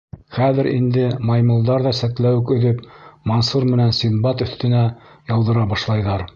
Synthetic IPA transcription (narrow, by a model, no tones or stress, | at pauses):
χæðɘ̆ɾḭnd̪ɘmɑjmɤ̆lˠd̪ɑɾðɑsæk̚t̪læwɘkɵ̆ðɵpmonsuɾmɘ̆nænsimbɑt̪ɵ̆θt̪ɘ̆næ | jɑw̪ˠd̪ɤ̆ɾɑbɑʃlˠɑjðɑɾ